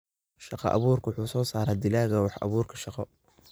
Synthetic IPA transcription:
ʃɑqɑ̰ʔɑ̰βuːrkʰɐwʊħuːsɔːsaːɾaːd̪ɪlaːɣɐwɑħʔɑ̰βuːrkʰɐ̥ʃɑqɔ

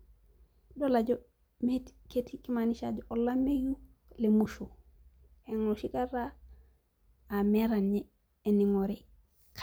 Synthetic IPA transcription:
dolaɟo | metketikimaniʃad͡ʒoʔolːameju | lemuʃo | eŋoʃikaɾa | ameɾanɲeː | niŋoɾi | k

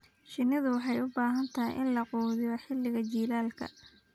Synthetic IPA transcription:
ʃɪnɪðʊwɑħɑjʊbaːɦɐnt̪ʰɐjʔɪ̰nlɐquːðɪjɐħɪlːɪɣɐt͡ʃiːlaːlkʰɐ̰

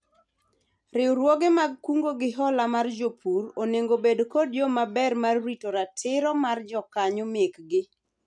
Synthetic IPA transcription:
ɾɪɾwɔɡemaɡ̚kuŋɡoɡɪɦɔlamard͡ʒopʰuɾoneŋɡobedkodjomabɛrmarwitoɾatʰɪɾɔmard͡ʒɔkaɲomekɡɪ

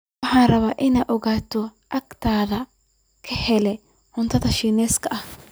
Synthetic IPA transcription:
wɑħɑːnrɐβaːʔɪnɛːjʔɔɣaːt̪ʰɔʔɐkt̪ʰaːðɐ | kʰɐhɛlɛ | hʊnt̪ʰɐðɐʃiːnɛːskʰɐʔɐh

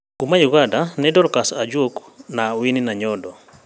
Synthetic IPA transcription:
kumajuɣadanɛdɔɾkasad͡ʒok | nawininaɲɔdɔ

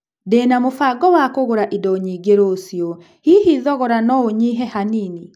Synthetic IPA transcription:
deːnamofaɡɔwakoɣoɾaʔidɔɲiɡeɾoːsjɔ | hihiðɔɣɔɾanɔoɲiɦɛhanini

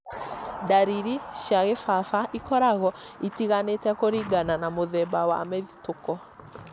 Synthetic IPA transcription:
daɾiɾiʃjaɣefafaʔikɔɾaɣɔitiɣanetɛkoɾiɡananamoðɛbawa̰mɛðitokɔ

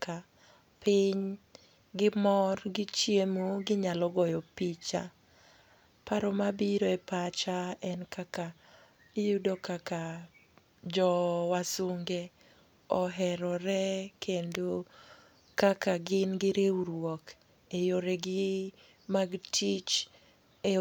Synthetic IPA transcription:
ka | pɪɲ | ɡɪmɔrɡɪt͡ʃjemoɡɪɲalɔɡɔjɔpit͡ʃa | paɾɔmabiɾoɛpat͡ʃaɛnkaka | ijudokaka | d͡ʒɔwasuŋɡe | ɔɦɛɾɔɾɛkʰendo | kakaɡɪnɡɪɾeuɾwɔk | ejoɾɛɡɪ | maɡtʰit͡ʃ | e

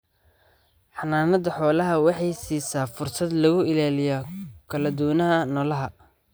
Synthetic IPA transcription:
ħɑnaːnɐd̪ɐħɔːlɐɦɐwɑħɑjsiːsaːfʊrsɐd̪lɐɣʊɪlaːlɪjakʰɐlɐd̪ʊwnɐɦɐnɔːlɐɦɐ

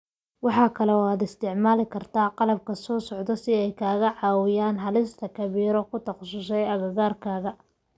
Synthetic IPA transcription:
wɑħɑːkʰɐlɛɔaːd̪ɪst̪ʰɪʕmaːlɪkʰɐrt̪ʰaːqɑlɐb̚kʰɐsɔːsɔʕd̪ɔsɪɛjkʰaːɣɐʕɑːwɪjaːnɦɐlɪst̪ʰɐkʰɐβiːɾɔkʰʊt̪ʰɐqsʊsɛjɐɣɐɣaːrkʰaːɣɐ

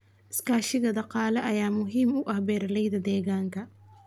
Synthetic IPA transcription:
ʔɪskaːʃɪɣɐd̪ɑqɑːlɛʔɐjaːmʊɦiːmʊʔɐhbɛːɾɐlɛjðɐd̪ɛːɣaːŋkʰɐ

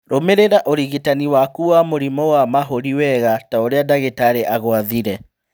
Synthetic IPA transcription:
ɾomeɾeɾaʔoɾiɣitaniwakuwamoɾimɔwamaɦoɾiwɛɣataoɾeadaɣetaɾeʔaɣwaðiɾɛ

